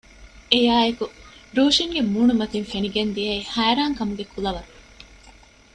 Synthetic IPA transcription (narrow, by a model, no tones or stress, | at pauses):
ejaːekuɾuːʃiŋɡemuːnumɐt̪infeniɡend̪iɐihæːɾaːŋkɐmuɡekʰulɐʋɐɾ